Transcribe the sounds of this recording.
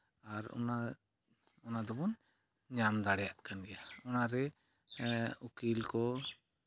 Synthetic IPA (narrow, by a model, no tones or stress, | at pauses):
aɾɔ̰na | ɔnad̪ɔbɔn | ɲamd̪aɽjaʔkand̪ɛjaɔnaɾɛ | ukilkɔ